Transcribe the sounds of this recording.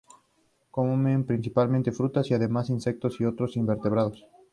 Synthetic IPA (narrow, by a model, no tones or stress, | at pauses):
kommempɾinsipalmẽnt̪e̞fɾut̪asiaðe̞masinsek̚t̪osio̞t̪ɾosimbe̞ɾt̪eβɾaðos